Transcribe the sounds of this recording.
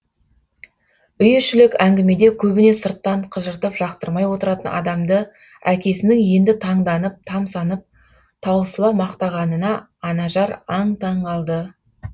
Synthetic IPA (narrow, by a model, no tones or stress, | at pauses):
ʏjʏʃɪlɪkæŋɡʲɪme̞d̪e̞kʲʰɵbɪne̞səɾt̪ːɑɴqʰəʒəɾt̪əpʒ̥ɑqt̪əɾmɑjwo̞t̪əɾɑt̪ənʔɑ̰d̪ɑmd̪ə | ækʲe̞sɪnɪŋje̞nd̪ɪt̪ʰɑɴd̪ɑnəp̚t̪ʰɑmsɑnəp̚ | t̪ʰɑwəsəlˠɑmɑqt̪ɑʁɑnənɑː | nɑʒɑɾɑɴt̪ʰɑɴɑlˠd̪ə